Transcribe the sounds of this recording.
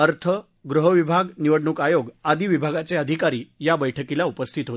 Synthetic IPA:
əɾt̪ʰə | ɡɾuɦəʋibʱaɡniʋəɽɳukajoɡad̪ʱiʋibʱaɡat͡seəd̪ʱikaɾiːjabəjʈʰəkilaupəst̪ʰit̪ɦo

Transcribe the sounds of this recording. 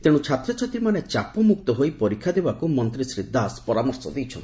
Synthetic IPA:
t̪eɽ̃ut͡ʃʰat̪ɾɔt͡ʃʰat̪ɾimanet͡ʃapɔmuk̚t̪ɔɦojpɔɾikʰːad̪ebakumɔnt̪ɾisɾid̪ʱːaspɔɾamɔɾsɔ̰d̪ejt͡ʃʰɔ̰nt̪

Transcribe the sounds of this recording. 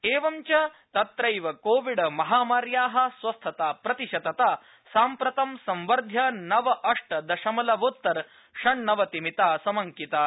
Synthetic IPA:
eːʋɐmt͡ʃɐ | t̪ɐt̪ɾɐjʋɐkoːʋiɽɐmɐɦaːmaːɾjaːɦɐ̆sʋɐst̪ʰɐt̪aːpɾɐt̪iʃɐt̪ɐt̪aː | saːmpɾɐt̪ɐmsɐmʋɐɾd̪ʱjɐnɐʋɐʔɐʂʈɐd̪ɐʃɐmɐlɐʋoːt̪ːɐɾ | ʂɐɳnɐʋɐt̪imit̪aːsɐmɐŋkit̪aː

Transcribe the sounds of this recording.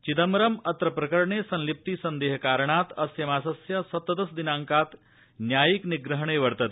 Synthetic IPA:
t͡ɕit̪əmɾəmɐt̪ɾəpɾɐkəɾɳesɐnlip̚t̪iːsɐnd̪eːɦkaːɾɳat̪ɐsjɐmaːsɐsjɐsɐt̪ːəd̪əsd̪inaŋkat̪ | njajikniɡɾəɦɳeʋəɾt̪ət̪

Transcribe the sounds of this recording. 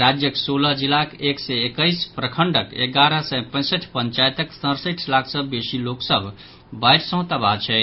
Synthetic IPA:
ɾad͡ʒjəksoləd͡ʒilakeksɛekəjspɾəkʰəɳɖəkḛɡaɾəsɛ̃pə̃ɪ̃səʈʰpəɲt͡ʃajt̪əksə̃ɾsəʈʰlakʰsəbbesiloksəbʱ | bajʈsə̃ɦʊ̃t̪əbat͡ʃʰɛ

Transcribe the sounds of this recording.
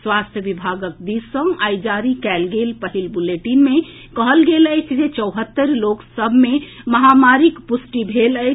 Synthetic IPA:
swast̪ʰjəʋibʱaɡək̚d̪isə̃ŋajd͡ʒaɾikɛlɡelpəɦilbuleʈinme | kəɦəlɡeləjt͡ʃʰd͡ʒet͡ʃəɦət̪ːəɾloksəbʱmeməɦamaɾikpusʈibʱeləjt͡ʃ

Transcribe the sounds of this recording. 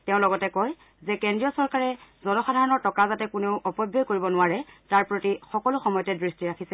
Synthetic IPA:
tɛʊ̃lɔɡɔtɛkɔj | zɛkɛndɹijɔsɔɹkaɹɛzɔnɔxadʱaɹɔnɔɹtɔkazatɛkʊneʊʔɔpɔbjokoɹibɔnʊaɹɛtaɹpɹotixɔkɔlʊxɔmɔjɔtɛdɹistiɹakʰisɛ

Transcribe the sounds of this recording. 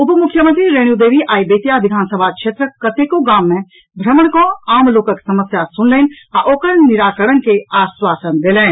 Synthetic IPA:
ʊpəmʊkʰːjəmə̃nt̪ɾiɾeɽ̃ud̪eːʋiʔaːibeːt̪jaʋɪd̪ʱaːnsəbʱakʃeːt̪ɾəkət̪eːkoɡaːmːẽ | bʱɾəməɳ̃koaːmloːkõke̥sɐməsjasʊnleːn | aʔoːkəɾnɪɾaːkəɽənkeaːswaːsənd̪elẽː

